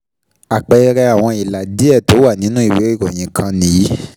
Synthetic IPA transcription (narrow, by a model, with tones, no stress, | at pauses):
a˨k͡pɛ˨i˧ɾɛ˧a˨w̃ɔ̃˧i˨la˨di˨˦ɛ˦˨to˨˦wa˦˨nĩ˨˦nũ˦i˦˨we˨˦ɾi˦˨ko˨j̃ĩ˨kʰã˧nĩ˨˦